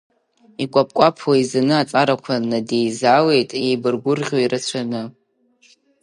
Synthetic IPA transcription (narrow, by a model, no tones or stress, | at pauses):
ikʷʼapʼkʷʼapʰwaizanɨat͡sʼaɾakʷʰanadejzale̞jtʼejbɨrɡʷʊrʁʲoiɾɨt͡ɕʷʰanɨ